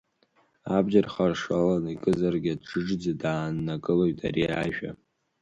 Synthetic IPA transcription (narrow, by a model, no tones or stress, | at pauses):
abʒarχarʂalanikʼɨzarɡʲadʈ͡ʂɨʈ͡ʂd͡zadaːnːakʼɨloɥtʰʼa̰ɾiaʒᶣa̰